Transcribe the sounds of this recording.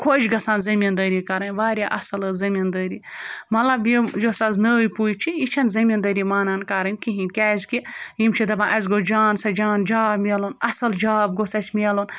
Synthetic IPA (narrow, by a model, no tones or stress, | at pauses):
kʰot͡ʃʰɡɐsaːnzɐmʲind̪əɾikɐɾɐnʲʋaːɾʲjaʔɐsɐlɨzɐmʲind̪əːɾimɐlɐbjijosɐznəjpujt͡ʃʰiit͡ʃʰɐnzɐmʲind̪ɐːɾimaːnɐnkɐɾɐnʲkiɦinʲkʲɛːzʲkijimt͡ʃʰid̪ɐbãʔɐzʲɡod͡ʒaːnsɐd͡ʒaːnd͡ʒaːbmʲelonɐsɐld͡ʒaːb̚ɡosɐsʲmʲelon